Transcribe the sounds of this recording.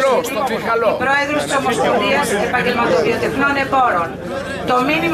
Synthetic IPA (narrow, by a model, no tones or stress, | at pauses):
pɾoeðɾost̪omospoðiɐsepɐɲɟelmɐt̪oðiot̪efnone̞poɾon | t̪ominim